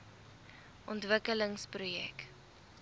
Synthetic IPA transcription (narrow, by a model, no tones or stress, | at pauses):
ʔɔntvəkələŋsprujɛ̰k